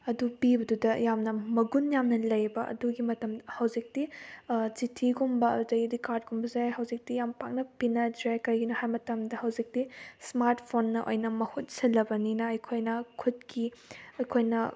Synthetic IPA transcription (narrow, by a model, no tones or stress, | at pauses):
ɐdupibɐdudɐjamnɐmɐɡunjamnɐlɐjbɐʔɐ̰duɡimɐtɐmhɐwzik̚dit͡ʃitʰiɡumbɐɐ̰dudɐidikaɾdɡumbɐzajɦɐwzik̚dijampak̚nɐpinɐdɾajkɐɾiɡinohajmɐtɐmdɐhɐwzik̚dismaɾtpʰonːɐʔo̰jnɐmɐhut̚sɐlɐbɐninɐɐjkʰojnɐkʰut̚kiɐjkʰojnɐ